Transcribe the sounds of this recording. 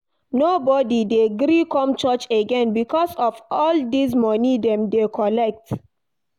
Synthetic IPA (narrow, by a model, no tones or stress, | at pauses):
nobɔdideɡɾikɔ̃mt͡ʃɔt͡ʃeɡɛ̃nbikʰɔsɔfɔldismɔnidɛ̃mdekʰɔlɛk̚t